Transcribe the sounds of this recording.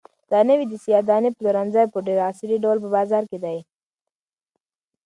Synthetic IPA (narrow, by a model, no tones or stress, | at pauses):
d̪̥ɑnəwid̪əsijɑd̪ɑnipluɾanzajpəɖeɾɑsɾiɖawlpəbɑzɑɾked̪aj